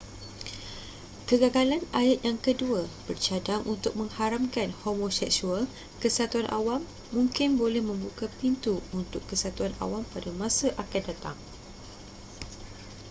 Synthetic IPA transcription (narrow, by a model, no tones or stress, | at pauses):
kəɡaɡalanajat̪̚jaŋkəduab̥ərt͡ʃadaŋʔunt̪ʊk̚mə̃ŋhaɾamkanhomõsɛk̚sual | kəsat̪uanʔa̰wamː | ũŋkɪnbolɛhmə̃mbukapint̪uunt̪ʊkːəsat̪uana̰wampadamãsaʔakat̪̚dat̪a̰ŋ